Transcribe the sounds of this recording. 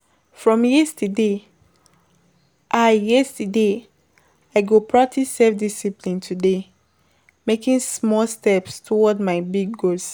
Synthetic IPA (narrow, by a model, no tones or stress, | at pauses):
fɹɔ̃mjɛstəde | ʔajɛstəde | aɪɡopʰɹak̚tʰissɛfdisiplĩntʰude | mekĩŋsmɔlstɛpstʰɔwɔdmaɪbiɡːos